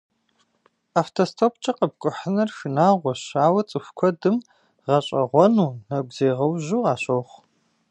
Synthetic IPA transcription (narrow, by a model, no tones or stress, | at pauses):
aːftʰostʰoːpt͡ʃʼɐqəb̚kʷʼʊħənɐrfinaːʁʷɔɕaːwɐt͡sʼɨxʷkʷʰɔdɨm | ʁɐɕʼɐʁʷɔnuːnɐɡʷz̥eːʁɐwʑuːaːɕowχʷ